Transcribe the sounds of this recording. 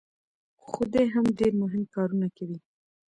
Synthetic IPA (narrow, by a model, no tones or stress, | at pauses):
xʊd̪eɦamɖeɾmʊɦɪmkɑɾunakawi